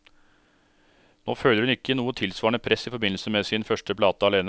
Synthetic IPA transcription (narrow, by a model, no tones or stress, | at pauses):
noːføːləɾhʉnɪkːənuːət̪ʰɪlsʋɑːɳəpʰɾɛsːɪfɔɾbɪnl̩səmeːsɪnfœʂʈəpʰlɑːt̪əɑleːn